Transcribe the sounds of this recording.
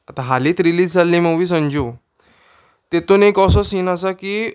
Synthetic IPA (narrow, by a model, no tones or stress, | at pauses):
at̪ãɦaliːt̪ɾiliːd͡zd͡zalːĩməʋiːs̬ə̃ɲd͡ʑu | t̪et̪uːnekɔsɔsinasakiː